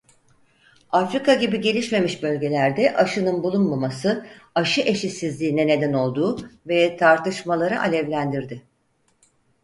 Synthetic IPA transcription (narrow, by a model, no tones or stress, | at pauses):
afɾikaɟibiɟe̞lʲiʃme̞miʃbø̞lʲɟe̞lʲæɾd̪ɛʔaʃɯnɯnbulˠunmamasɯaʃɯʔe̞ʃisizlʲiːnɛne̞d̪æno̞lˠd̪uːvɛt̪ʰaɾt̪ɯʃmalˠaɾɯʔalʲɛvlʲænd̪iɾd̪ɪ